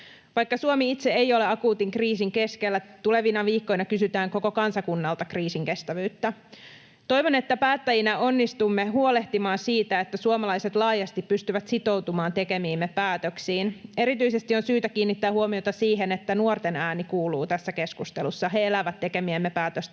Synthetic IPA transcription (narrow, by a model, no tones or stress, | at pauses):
ʋɑjkːɑsuomiit̪seejo̞leɑkuːt̪iŋkriːsiŋke̞skelːæt̪ule̞ʋinɑʋiːkːo̞jnɑkysyt̪æːŋko̞ko̞kɑnsɑkunːɑlt̪ɑkriːsiŋke̞st̪æʋyːt̪ːæ | t̪o̞jʋo̞ne̞t̪ːæpæːt̪ːæjinæo̞nːist̪umːe̞ɦuole̞ht̪imɑːnsiːt̪æe̞t̪ːæsuomɑlɑjset̪lɑːjɑst̪ippyst̪yʋæt̪sit̪o̞wt̪umɑːnt̪e̞ke̞miːmːepæːt̪øksiːne̞ɾit̪yise̞st̪io̞nsyːt̪ækiːnːit̪ːæːhuomio̞t̪ɑsiːɦenet̪ːænuort̪enæːnikuːluːt̪æsːæke̞skust̪elusːɑɦe̞elæʋæt̪ːe̞ke̞miemːepæːt̪øst̪